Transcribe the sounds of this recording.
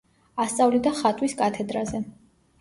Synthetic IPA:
ast̪sʼavlid̪aχat̪ʼwiskʼat̪ʰɛd̪ɾazɛ

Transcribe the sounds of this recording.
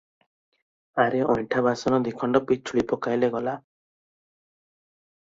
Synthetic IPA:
aɾeʔɔjɳʈʰabasɔnɔd̪ikʰɔɳɖɔpit͡ʃʰuɭipɔkajleɡɔla

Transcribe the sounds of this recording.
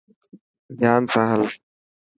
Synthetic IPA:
d̪ʱjaːnsaːɦəl

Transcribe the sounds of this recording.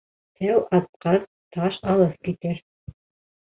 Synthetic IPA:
æwɑt̪̚qɑð | t̪ʰɑʃɑlˠɤθkit̪ɘɾ

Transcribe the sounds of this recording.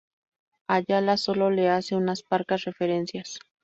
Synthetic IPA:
aʎalasololeaseunaspaɾkasrefeɾensjas

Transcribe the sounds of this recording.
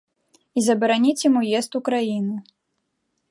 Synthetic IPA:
izɐbɐɾanʲit͡sʲjamujɛst̪ukɾajinu

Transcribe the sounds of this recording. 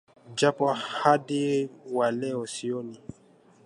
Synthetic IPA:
d͡ʒapɔhadiwalɛɔsioni

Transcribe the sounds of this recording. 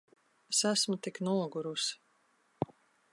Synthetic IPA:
sæsmut̪iknulɡuɾus

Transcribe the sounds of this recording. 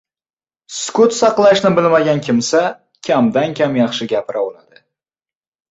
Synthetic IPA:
skʊt̪sɑqlˠaʃnɪbɪlmaɡʲankʲʰɪmsa | kʲʰamd̪ankʲʰamjɑχʃɪɡʲapʰɪɾʔawɒnad̪ɪ

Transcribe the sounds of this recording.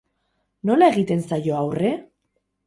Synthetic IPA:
no̞laeɣit̪e̞nsajo̞awre̞

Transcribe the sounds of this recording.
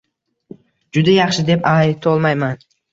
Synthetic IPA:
d͡ʒʊd̪ajɑχʃɪd̪e̞pajɪt̪ʰolˠmajman

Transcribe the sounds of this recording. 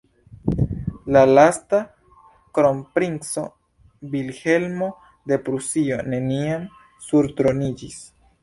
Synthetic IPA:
lalasta | kɾo̞mpɾinso̞ | bilhe̞lmo̞ | de̞pɾusio̞ne̞niam | suɾtɾo̞nid͡ʒis

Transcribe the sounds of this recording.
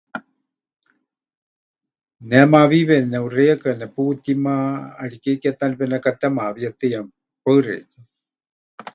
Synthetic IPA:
nɛmaβiβɛnɛurejakanɛput̪imaːɽikekɛt̪anpɛnɛkat̪ɛmaβiat̪ejam | pəɨɾḛn

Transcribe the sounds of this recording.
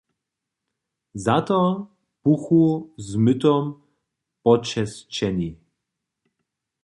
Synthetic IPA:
zat̪ɔ | puxuzmʏt̪ɔm | pɔt͡ʃɛst͡ʃɛni

